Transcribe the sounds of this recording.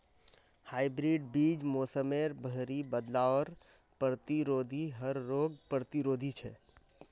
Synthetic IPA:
haːibɾiɖ̚biːd͡ʒmoːsəmeːɾbʱəɦɾibəd̪laɔːɾ | pɾət̪iɾoːd̪ʱiɦəɾːoːɡ̚pɾət̪iɾoːd̪ʱit͡ʃʰɛ̰

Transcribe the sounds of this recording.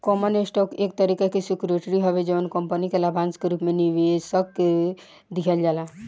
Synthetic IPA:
kɔmənesʈɔːkek̚t̪əɾikakesikɾeʈɾiɦɔʋed͡ʒɔʋənkɔmpənikelabʱãnskeɾuːpmẽniʋesəkːe | d̪ikʰəld͡ʒaːla

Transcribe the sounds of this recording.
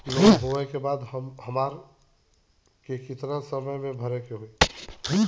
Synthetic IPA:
kiʋəɦoɛkebad̪həmɦəmaɾ | kekɪt̪nasəməjmẽbʱəɾɛkeɦoi

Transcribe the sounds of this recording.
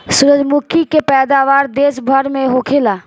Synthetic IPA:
sʊɾəd͡ʒmukʰikepɛːd̪aːʋaːɾd̪eːsbʱəɾmẽɦoːkʰelaː

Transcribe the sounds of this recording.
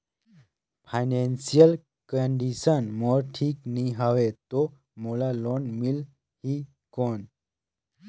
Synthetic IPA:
fajnensijəl | kəɳɖiɕənmɔɾʈʰiːkniɦaʋet̪ɔ | mɔlalɔnmil | hiː | kɔn

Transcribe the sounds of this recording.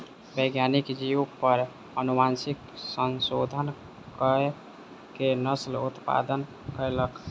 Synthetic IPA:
bəɡjanikd͡ʒiupəɾ | ənumansik | sənsod̪ʱən | kə | kenəslut̪pa̰d̪ən | kəjlək

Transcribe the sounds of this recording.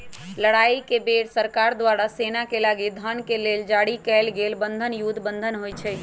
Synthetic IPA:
ləɽaikebeɽsəɾkaɾd̪ʋaɾasenakelaɡid̪ʱənkeleld͡ʒaɽikɛlɡelbənd̪ʱənjud̪ʱbənd̪ʱənɦojt͡ʃʰɛ

